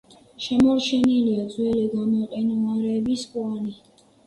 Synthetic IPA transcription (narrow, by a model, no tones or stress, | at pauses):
ʃɛmɔɾt͡ʃʰɛniliad̪zwɛliɡamɔqʼɛnuaɾɛːbispʼwani